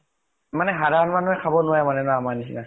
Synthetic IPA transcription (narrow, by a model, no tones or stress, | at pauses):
manɛɦadanmanʊajkʰabɔnʊwajmanɛnaamanisina